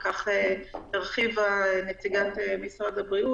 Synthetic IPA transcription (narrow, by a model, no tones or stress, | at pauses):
kaχeteʁχivanet͡siɡatemisʁad̪abʁiu